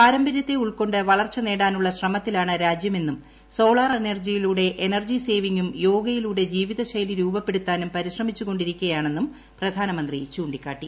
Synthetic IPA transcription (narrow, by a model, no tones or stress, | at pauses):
aːɾɐmbʱɐɾjɐt̪ːe̞uɭko̞ɳɖɨʋɐɭɐrt͡ɕːɨne̞ːɽaːnuɭːɐɕrɐmɐt̪ːilaːɳɨɾaːd͡ʑjɐme̞nːum | so̞ːɭaːrenɐrd͡ʑijiluːɽe̞ʔenɐrd͡ʑise̞ːʋiŋɡumjo̞ːɡɐjiluːɽe̞d͡ʑiːʋiðɐɕɐjliɾuːbɐpːe̞ɽut̪ːaːnumpɐɾiɕrɐmit͡ɕːuɣo̞ɳɖiɾikʲːuɐjaːɳe̞nːum | prɐd̪ʱaːnɐmɐnd̪rit͡ɕuːɳɖikʲːaːʈːi